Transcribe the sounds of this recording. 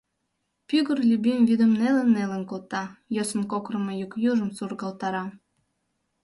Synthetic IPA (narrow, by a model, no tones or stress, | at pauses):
pyɣərlʲybimvid̪ə̆mnelə̆nːelə̆nkolt̪ɑjosənkokrə̆mojukjuʒə̆msurɣɑlt̪ɑɾɑ